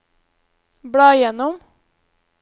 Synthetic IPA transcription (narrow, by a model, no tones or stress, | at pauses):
bɽɑːɪjɛnʊm